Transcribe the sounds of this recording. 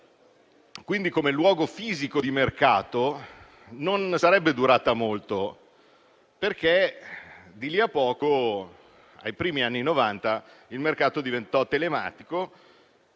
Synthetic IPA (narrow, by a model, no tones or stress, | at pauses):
kwind̪ikomelwɔːɡofiːzikod̪imerkaːt̪o | nonsaɾɛbːed̪uɾaːt̪amolt̪o | perke | d̪iliapːɔːko | a̰jpɾiːmianːinovant̪a | ilmerkaːt̪od̪ivent̪ɔt̪ːelema̰ːt̪iko